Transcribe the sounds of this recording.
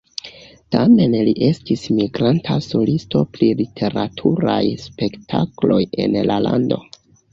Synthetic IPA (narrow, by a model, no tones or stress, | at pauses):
tame̞nliʔe̞stismiɡɾantʰaso̞listo̞plilitʰe̞ɾatʰuɾajspe̞ktʰaklo̞je̞̰nlalʔa̰ndo̞